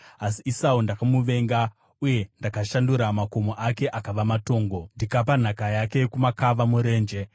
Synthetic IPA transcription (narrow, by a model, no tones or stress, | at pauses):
asiisaundakamuʋe̞ŋɡa | uje̞ndakaʃanduɾamako̞moʔake̞ʔakaʋamato̞ːŋɡo̞ndikap̬an̤akajake̞kumakaʋamuɾe̞ːnd͡ʒe̞